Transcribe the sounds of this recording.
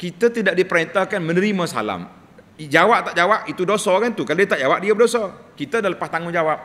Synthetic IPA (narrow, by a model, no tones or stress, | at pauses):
kit̪at̪idaʔ̚dipəɾɛnt̪akanmə̃nəɾimãsa̰la̰m | d͡ʒawaʔ̚t̪aʔd͡ʒawaʔit̪udosɔkant̪ukaldit̪aʔd͡ʒawaʔ̚diabədosɔkit̪adaləpast̪aŋʊnd͡ʒawap̚